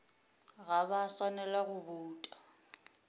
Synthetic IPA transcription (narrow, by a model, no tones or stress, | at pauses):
ɣaβaswanɛlaɣʊbuːtʼḁ